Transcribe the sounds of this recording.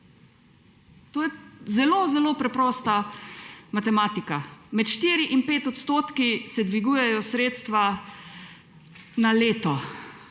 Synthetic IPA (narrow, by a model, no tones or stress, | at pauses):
t̪oːjɛzɛloːzɛloːpɾɛpɾɔːst̪a | mat̪ɛmaːt̪ikamɛt̪ʃt̪iːɾiʔinpeːt̪ɔt̪st̪oːt̪kisɛd̪ʋiɡuːjɛjɔsɾeːt̪st̪ʋa | naleːt̪ɔ